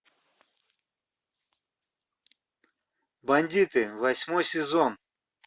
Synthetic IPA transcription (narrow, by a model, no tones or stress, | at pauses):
bɐnʲd̪ʲit̪ɨvɐsʲmojsʲɪzon